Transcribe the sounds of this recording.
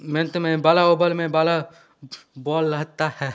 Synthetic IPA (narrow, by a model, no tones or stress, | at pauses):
ment̪mẽbaːlaoːbəlmẽbaːla | bɔːlːɐɦt̪ahɛː